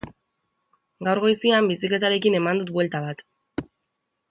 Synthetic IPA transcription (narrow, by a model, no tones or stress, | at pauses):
ɡawɾɣo̞jsiambisikle̞t̪aɾe̞kine̞mand̪ut̪̚bwe̞lt̪aβat̪